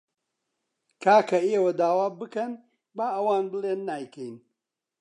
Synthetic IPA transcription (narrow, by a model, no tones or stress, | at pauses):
kʰaːkɐeːwɐd̪aːwaːbɨkɐn | baːʔɐwaːnbɨleːnːaːjkʰɐjn